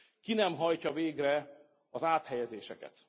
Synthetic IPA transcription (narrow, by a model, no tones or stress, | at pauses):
kinɛmɦɒjcɒveːɡrɛ | ɒzaːt̪hɛjɛzeːʃɛkɛ̰t̪